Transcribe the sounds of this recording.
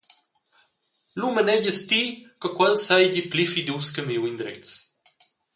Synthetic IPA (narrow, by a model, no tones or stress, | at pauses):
lumənɛɟəst̪iːkəkwɛlsɐjɟiplifid̪uskəmiwind̪ɾɛ̰t͡s